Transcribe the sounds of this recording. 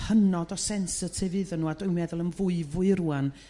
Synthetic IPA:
hənɔdɔsɛnsətʰevɨːðənːuːadɔjwmɛðʊlˠənvʊɨvʊɨɾuːan

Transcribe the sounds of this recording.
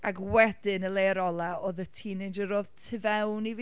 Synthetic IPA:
akwɛdɪnəlˠeɾɔlˠaoːðətʰiːnedəɾoːðtʰɪvɛwniviː

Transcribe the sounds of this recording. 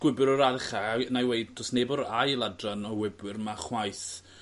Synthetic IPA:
wɪbɨɾɔɾaðɪχanajwejdd̥ɔsnebɔɾajlˠadranɔwɪbwɪrmaχwajθ

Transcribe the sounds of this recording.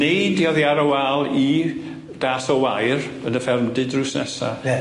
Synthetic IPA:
nejdiɔðjaɾɔwalˠi | d̥aːsɔwajr | ənəfɛrmdɨdrusnɛ̰sa̰

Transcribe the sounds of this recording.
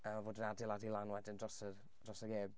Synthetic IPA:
əvoːdənadɪlˠadilˠanwɛdɪndrɔsər | d̥rɔsəɡeːb

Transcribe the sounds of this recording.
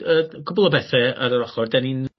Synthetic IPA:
əkʰʊbʊlˠɔbɛθɛə̰ɾəɾɔχɔrdɛnin

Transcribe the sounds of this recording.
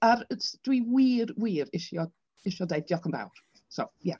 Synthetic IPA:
aɾd̥wiwiːɾwiːɾɪʃjɔ | ɪʃɔdejdjɔkʰəmba̰wr | so̰wja

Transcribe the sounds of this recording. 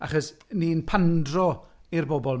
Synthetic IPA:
a̰χɔsniːnpʰandrɔirbɔbɔlˠ

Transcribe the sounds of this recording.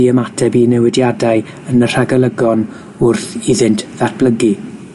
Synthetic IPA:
iəmatʰɛbinɛwɛdjadaɨ | ənər̥aɡəlˠəɡɔn | ʊrθiðɪntʰðat̚b̥ləɡi

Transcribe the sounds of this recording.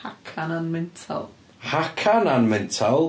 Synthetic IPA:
hakʰananmɛntʰa̰lˠ | hakʰananmɛntʰalˠ

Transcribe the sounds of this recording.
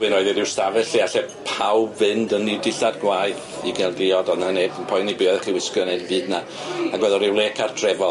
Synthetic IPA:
wɨnoɨðidɪwstavɛɬiaɬɛpʰawbvɪndənidɪɬadɡwajð | iɡɛlˠdɪɔdɔnaneːbənpʰɔjnibɪɔðɛχiwɪskɔnɛdvɨːdna | aɡwɛðɔɾɪwlˠeːkʰartʰrɛvɔ

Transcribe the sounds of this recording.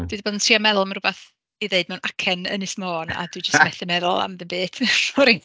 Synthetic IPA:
d̥idiboːdəntʰriamɛðʊlˠmanrʊbaθ | iðeɨd̚mɛwnakʰɛnə̰nɪsmoːna̰dwɨd͡ʒəstmɛθɪmɛðʊlˠa̰mðəbeːtʰɔɾi

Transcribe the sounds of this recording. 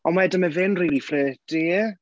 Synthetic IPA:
ɔnmaɛdəməvɪnriːlifrɛːd̥eː

